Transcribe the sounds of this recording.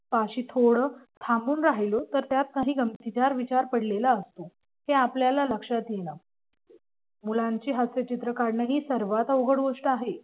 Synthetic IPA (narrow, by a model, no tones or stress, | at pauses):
paɕiːt̪ʰoɽə | t̪ʰambuːnɾaɦilot̪əɾt̪jat̪̚kaɦiːɡəmt̪it͡ɕaɾʋit͡ɕaɾpəɽlelaəst̪o | heapljalaləkʂat̪jena | mulaɲt͡ɕiːɦaset͡ɕit̪ɾəkaɾnəɦiːsəɾʋat̪əwɡəɽɡoʂʈəaɦe